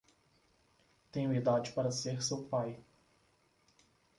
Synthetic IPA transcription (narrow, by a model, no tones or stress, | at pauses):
t̪ẽj̃ʊ̃id̪ad͡ʒɪpaɾɐseɾsewpaj